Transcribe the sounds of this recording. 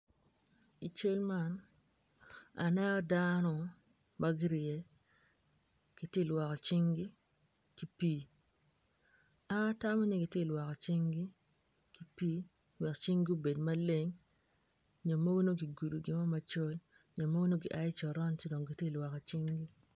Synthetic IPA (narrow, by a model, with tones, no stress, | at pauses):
i˨t͡ʃo˦lma˦n | a̰˨nɛ˦ɔ˦danɔ˨ | ma˦ɡi˦ɾɪeɛ˨ | ki˨tje˦˨lwɔ˨kɔ˨t͡ʃi˦ŋɡi˦ | ki˦pi˦ | a˦ta˦mɔ˦ni˦ɡi˨tje˦˨lwɔ˨kɔ˨t͡ʃi˦ŋɡi˦ | ki˨˦pi˦ | wɛ˨kt͡ʃi˦ŋɡi˦u˦be˨dma˦le˦ŋ | ɲo˨mo˦ɡo˦no˦ɡi˨ɡu˨du˨ɡɪ˨mɔ˦ma˨t͡ʃo˦l | ɲo˨mo˦ɡo˦no˦ɡḭ˨ʔa˦ɪ˦t͡ʃɔ˨ɾɔ˦nt͡ʃe˦do˨ŋɡi˨tje˦˨lwɔ˨kɔ˨t͡ʃi˦ŋɡi˦